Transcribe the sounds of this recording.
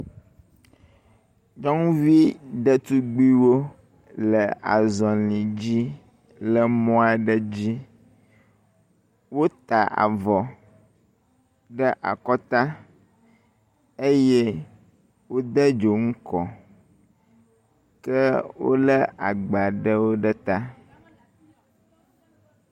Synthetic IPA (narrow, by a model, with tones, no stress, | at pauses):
d͡ʒɔ˦ŋ˦vi˦ɖə˦t̪u˦ɡ͡bi˦wo˦ | lə˨a̰˨zɔ˨lĩ˨d͡ʑi˦ | lə˨mɔ̃˦a˨ɖə˦d͡ʑi˦ | wo˦t̪a˨ʔa̰˨vɔ˨ | ɖə˦ʔa̰˨kɔ˦t̪a˦ | e˦je˦ | wo˦d̪ə˦d͡ʒo˨ŋ̩˦kɔ˨ | kɛ˦wo̰˦lə˦ʔa˨ɡ͡ba˨ɖə˦wo˦ɖə˦t̪a˦